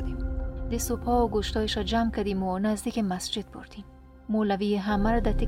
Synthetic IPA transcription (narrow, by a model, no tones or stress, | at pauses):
d̪id̪esupʰɔɡoʃt̪ɒeʃad͡ʒamkad̪imunazd̪ikemasd͡ʒɪd̪̚bʊ̰ɾd̪im | molavieɦamaɾad̪at̪i